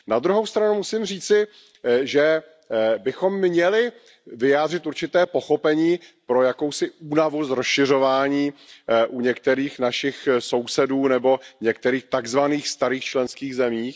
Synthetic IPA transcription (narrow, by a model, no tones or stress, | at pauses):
nad̪ɾuɦowst̪ɾanumusimr̝iːt͡sɪ | ʒɛ | bɪxo̞mɲɛlɪ | vɪjaːd̪r̝ɪt̪uɾt͡ʃɪt̪ɛːpo̞xo̞pɛɲiːpɾo̞jako̞wsɪʔuːnavuzɾosʃɪr̝o̞vaːɲiːʔuɲɛk̚t̪ɛɾiːxnaʃɪxso̞wsɛduːnɛbo̞ɲɛk̚t̪ɛɾiːxt̪aɡzvaniːxst̪aɾiːxt͡ʃlɛnskiːɣzɛmiːx